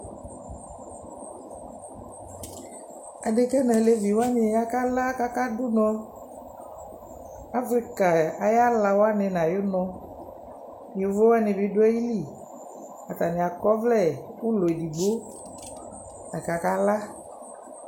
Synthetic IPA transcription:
a˨de˨kɛ˦nɛ̃˨le˦vi˨wo˦a˦nẽ˨ja˦ka˦la˦ka˦ka˦do˦nɔ̃˦ | a˦fɾi˦ka˨a˨ja˦la˨wo˦a˦ne˨nã˨jo˦nɔ̃˦ | je˨vo˦wa˦nẽ˨vi˦do˦ɛ˦ji˦li˦˨ | a˨t̪a˨ne˨a˨kɔ˦vlɛ˦˨wu˦lo˨e˨di˨ɡ͡bo˦ | a˨ka˨ka˦la˦

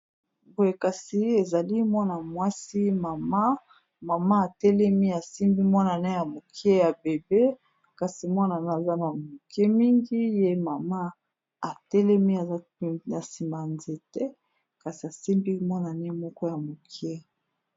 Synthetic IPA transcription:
bo˨e˨ka˨si˦e˨za˨li˦mwɔ˦na˨mwa˦si˦ma˨ma˦ | ma˨ma˦a˨tɛ˦lɛ˦mi˦a˨si˦mbi˦mɔ˦na˨nɛ˦ja˨mo˨ki˦e˦ja˨be˨be˦ | ka˨si˨mwa˦na˨na˨za˦ma˨mo˨ki˦e˦mi˦ŋɡi˦je˦ma˨ma˦ | a˨tɛ˦lɛ˦mi˦a˨za˦na˨si˨mba˨nze˨tɛ˦ | ka˨si˨a˨si˦mbi˦mɔ˦na˨nɛ˦mɔ˦kɔ˦ja˨mo˨kʰi˦e˦

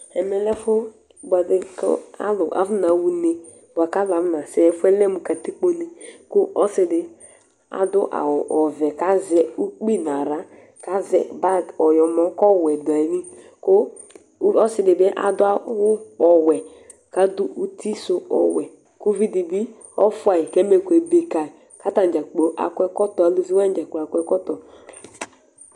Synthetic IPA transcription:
ɛ˨mɛ˨lɛ˦fʊ˦ | ba˨dɪ˦kɔ̰˦a̰˦lʊ˨ʔa̰˨vʊ˦na˨˦wu˦ne˦ | ba˨ka˦la˨vna˨sɛ˨ɛ˨fʊ˦ɛ˦lɛ˦mu˨ka˨ti˦k͡po˦ne˨kʊ˦ʔɔ˦sɪ˨dɪ˨ | a̰˨dʊ˦ʔa̰˨wʊ˨ʔɔ˨vɛ˨ka˨˦zɛ˦u˦k͡pi˦n˨a˨ɾa˨˦ | ka˦zɛ̰˨ba˦˨ɔ˨jɔ˨mɔ˨˦kɔ˦˨wɛ˨dʊ˨a˨i˨˦ni˦ | ko˦ | ɔ˦sɪ˨˦dɪ˨be˦ʔa̰˦dʊ˦a˦wʊ˦ɔ˨wɛ˨ | ka˦dʊ˦ʔu˦ti˦so˦ɔ̰˨wɛ˨ | ku˦vi˦di˨bi˦ | ɔ̰˦fʊ˦a˨ji˨ke˦me˦˨kʷe˨be˨ka˨ | ka˦ta˨n˨d͡ʒa˨k͡po˨ʔa̰˨kʷɛ˦kɔ˦tɔ˨a˨lo˦zi˦wa˦n˦d͡ʒa˨k͡po˨a˨kʷɛ˦kɔ˦tɔ˨

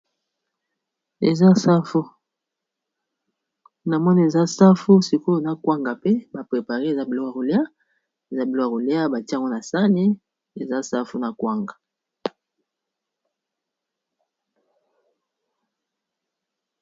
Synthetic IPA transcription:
ḛ˨za˦sa˦fo˦ | na˨mɔ˦ni˦e˨za˦sa˦fu˦si˨ko˦e˨za˦kwa˦ŋɡa˨pe˦ba˨pʁe˨pa˨ʁe˦˨za˦bi˨lo˦˨a˨ʁo˨le˦a˦ | e˨za˦bi˨lo˦a˨ʁo˨li˦a˦ba˨ti˦a˦˨ŋɡo˦na˨sa˦ne˦ | e˨za˦sa˦fu˦na˨kwa˦ŋɡa˨

